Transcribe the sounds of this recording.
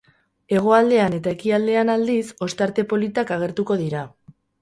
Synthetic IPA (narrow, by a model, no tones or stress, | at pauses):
e̞ɣ̞o̞ald̪e̞ane̞t̪ae̞kiald̪e̞anald̪iso̞st̪aɾt̪e̞po̞lit̪akaɣ̞e̞ɾt̪uko̞ð̞iɾa